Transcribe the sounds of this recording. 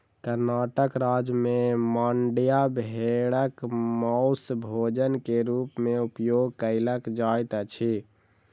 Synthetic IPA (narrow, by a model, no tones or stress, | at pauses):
kəɾnaʈəkɾad͡ʒmemaɳɖjabɦeɽəkmɔʊsbʱod͡ʒənkeɾupmeupjoɡkəɪləkd͡ʒajt̪t͡ʃʰi